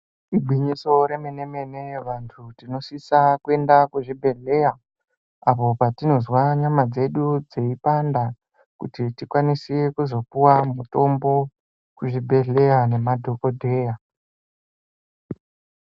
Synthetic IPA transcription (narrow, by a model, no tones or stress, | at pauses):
iɡ͡bʱwiɲiso̞ɾe̞mine̞me̞ne̞ʋantʰutino̞sisakue̞ndakuʐibʱe̞ɮe̞ja | apo̞patino̞zwaɲamad͡ze̞ɗud͡ze̞ipanda | kutitikwanisiekuzo̞puwamuto̞mbo̞ | kuʐibʱe̞ɮe̞jane̞madʱo̞ko̞dʱe̞ːja